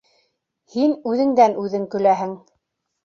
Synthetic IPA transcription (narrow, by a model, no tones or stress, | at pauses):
hinʉðɘ̆ŋd̪ænʉðɘŋkɵ̆læɦɘŋ